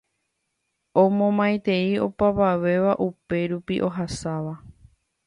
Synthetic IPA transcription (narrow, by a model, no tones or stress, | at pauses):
omõmãjt̪e̞io̞̰paʋaʋe̞ʋaʔupe̞ɾupiʔo̞ɦasaʋa